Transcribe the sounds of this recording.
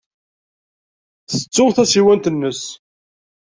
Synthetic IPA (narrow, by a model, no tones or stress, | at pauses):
θə̥t͡sːʊʁθæsiwænt̪ənːəs